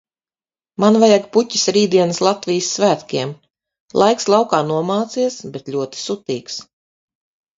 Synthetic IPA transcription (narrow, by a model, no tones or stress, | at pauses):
manvajaɡpucʲi̥sɾiːd̪iɛnɨslˠat̪vijsːvæːt̪kʲiɛm | lˠʔajkslˠawkaːnuɔmaːt̪siɛsbet̪lʲuɔt̪i̥sut̪iːks